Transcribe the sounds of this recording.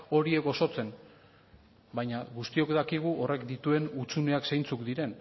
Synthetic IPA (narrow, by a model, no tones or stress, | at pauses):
o̞ɾie̞ɡo̞so̞t͡se̞n | bajɲaɣust̪io̞kd̪akiɣ̞uʔo̞re̞kd̪it̪ue̞nut͡sune̞aksejnt͡sukd̪iɾe̞n